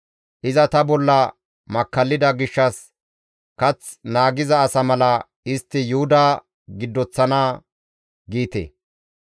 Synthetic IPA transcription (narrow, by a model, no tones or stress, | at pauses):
ʔɪzɐt̪ɐbɔlːɐ | mɐkːɐlːɪd̪ɐɡɪʃːɐs | kɐt͡s | naːɡɪzɐːsɐmɐlɐ | ɪst̪ːɪjʊhʊd̪aː | ɡɪd̪ːɔt͡sːɐnaː | ɡiːt̪ḛ